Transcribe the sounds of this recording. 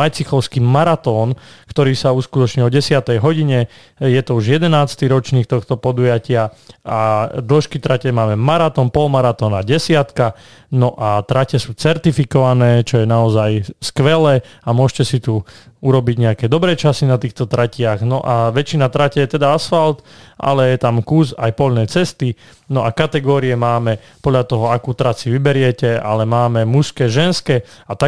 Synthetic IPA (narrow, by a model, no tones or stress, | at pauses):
majt͡sixɔʊskiːmaɾat̪ɔːnkt̪ɔɾiːsauːskut̪ɔt͡ʃɲiɔɟɛsɪat̪ɛjɦɔɟiɲɛ | jɛt̪ɔuʒjɛd̪ɛnaːst̪iɾɔt͡ʃniːxt̪ɔxt̪ɔpɔd̪ujacɪa | ʔad̪l̩ʃkit̪ɾacɛmaːmɛmaɾat̪ɔːnpɔlmaɾat̪ɔːnaɟɛsɪat̪ka | nɔʔat̪ɾacɛsuːt͡sɛɾt̪ifikɔʋanɛːt͡ʃɔjɛnaɔzajskʋɛlɛːamʊɔʒcɛsit̪uuɾɔbiɟɲɛakɛːd̪ɔbɾɛːt͡ʃasinat̪iːxt̪ɔt̪ɾacɪaɣnɔʔaʋɛt͡ʃinat̪ɾacɛjɛt̪ɛd̪aasfalt̪ʔa̰lɛjɛt̪amkuːzajpɔʎnɛːt͡sɛst̪i | nɔʔakat̪ɛɡɔːɾiɛmaːmɛ | pɔd̪ʎat̪ɔɦɔakuːt̪ɾasiʋibɛɾɪɛcɛa̰lɛmaːmɛmuskɛːʒɛnskɛːat̪a